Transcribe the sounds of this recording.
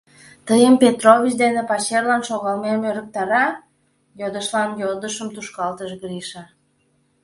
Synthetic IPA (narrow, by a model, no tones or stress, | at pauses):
t̪əjəmpʲet̪rovʲit͡ɕd̪enepɑɕerlɑnʃoɣɑlmemøɾək̚t̪ɑɾɑ | jod̪əʃlɑnjod̪əʃəmt̪uʃkɑlt̪əʃɣɾiʃɑ